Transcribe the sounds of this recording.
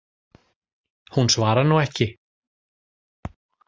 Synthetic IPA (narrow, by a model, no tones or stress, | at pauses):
hunsvaːɾanuɛhcɪ